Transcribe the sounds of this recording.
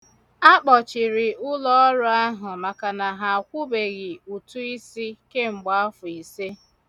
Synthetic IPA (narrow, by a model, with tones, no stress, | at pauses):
a˦k͡pɔ˨t͡ʃɪ˨ɾɪ˨ʔʊ˦lɔ˦ɔ˦ɾʊ˦a˦ɦʊ˨ma˨ka˨na˨ɦa˨kʷu˦be˨ɣɪ˨u˨tu˦i˦si˦ke˦ŋ͡m̩˨ɡ͡ba˦fʊ˨i˨se˦